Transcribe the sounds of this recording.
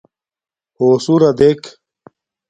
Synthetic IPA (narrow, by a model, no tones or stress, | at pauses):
hoːsuɾɐd̪ek